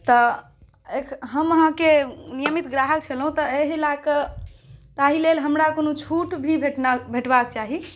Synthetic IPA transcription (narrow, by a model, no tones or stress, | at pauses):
t̪ɔ | ekʰɦəməɦãkenijəmit̪ɡɾaɦək̚t͡ʃʰəlɦũt̪ɔeɦlakə | t̪aɦilelɦəmɾakonot͡ʃʰuʈbʱibʱeʈnabʱeʈbakt͡ʃaɦi